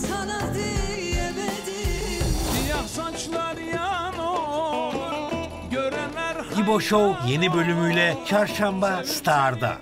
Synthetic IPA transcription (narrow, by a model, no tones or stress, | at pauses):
sanad̪ijɛmɛd̪idijasant͡ʃlˠaɾjano | uɾ | ɟøɾɛnæɾɟibo̞ʃowje̞nibø̞lʲymyjlʲɛt͡ʃʰaɾʃambast̪ʰaɾd̪a̰